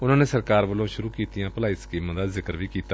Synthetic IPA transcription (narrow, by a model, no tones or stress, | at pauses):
ʊnãːneːsəɾkaːɾʋəlõːʃʊɾuːkiːt̪ijãːpəlaːiskiːmãːd̪aːzɪkəɾʋiːkiːt̪aː